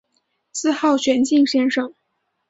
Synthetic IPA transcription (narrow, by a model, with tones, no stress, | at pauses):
sɹ̩˥˧xɑ˥˩ʊt͡ɕʰɥɛ˧˥nt͡ɕi˥˩ŋɕjɛ˥nʂɤ˥˩ŋ